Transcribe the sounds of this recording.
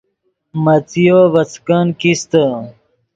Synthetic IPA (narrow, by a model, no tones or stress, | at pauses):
mɐt͡sijoʋɐt͡skankist̪ə